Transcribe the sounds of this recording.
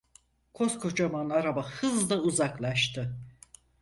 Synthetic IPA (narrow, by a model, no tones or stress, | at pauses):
kʰo̞skʰo̞t͡ʃʰamanaɾabahɯzd̪ˠauzaklˠaʃt̪ʰɯ